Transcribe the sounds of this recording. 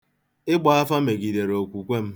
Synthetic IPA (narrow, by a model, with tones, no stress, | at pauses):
ɪ˦ɡ͡ba˨˦a˦fa˦me˨ɡi˨de˨ɾo˨kʷu˨kʷe˦m̩˦